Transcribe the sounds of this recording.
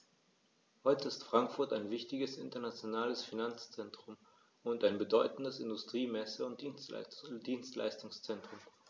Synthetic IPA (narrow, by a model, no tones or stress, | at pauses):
hɔʏtəɪstfʁ̥aŋkfʊɐtaɪnvɪçtɪɡəsʔɪ̰ntɐnat͡sjonaːləsfinant͡st͡sɛntʁ̥ʊm | ʊntaɪnbədɔʏtn̩dəsɪ̰ndʊstʁ̥iːmɛsəʊntd̥indiːnstla̰ɪstʊŋst͡sɛntʁ̥ʊm